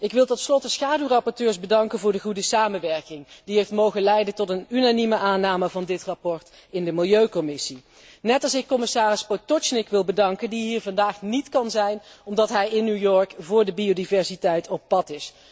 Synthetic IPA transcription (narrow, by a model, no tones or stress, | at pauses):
ɪkʋɪlˠtɔtslɔtəsχaːdyrɑpɔɹtøːɹsbədɑŋkənvʊːɹdəχudəsaːmənʋɛɹkɪŋdiɦejftmowχənlɛjdəntɔtənynaniməʔaːnaːməvɑndɪtrɑpɔɹt | ɪndəmɪlˠjøɥkɔmɪsi | nɛtɑlˠsɪkːɔmɪsaːrɪspotɔt͡ʃnɪkʋɪlˠbədɑŋkəndiɦiːɹvɑndaːχnitkɑnzɛjnɔmdɑtɦɛjɪnːywjɔɹkvʊːɹdəbiodivɛɹsitɛjtʰɔp̚pɑtɪs